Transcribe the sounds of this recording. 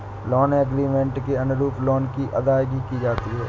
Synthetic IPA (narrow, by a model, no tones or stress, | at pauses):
lɔːnəɡɾiːmẽɳʈkeɐnʊɾuːpʰlɔːnkiʔɐd̪aːɡikid͡ʒaːt̪iɦɛː